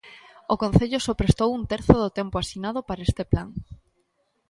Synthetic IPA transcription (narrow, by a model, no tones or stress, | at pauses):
okon̟θeʎʊsopɾest̪owunt̪eɾθoðʊt̪empoasinað̞ʊpaɾaest̪eplaŋ